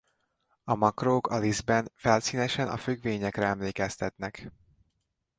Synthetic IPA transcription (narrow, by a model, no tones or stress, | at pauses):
ɒmɒkroːkɒlizbɛnfɛlsiːnɛʃɛnɒ̰fyɡʋeːɲɛkrɛɛmleːkɛst̪ɛt̪nɛk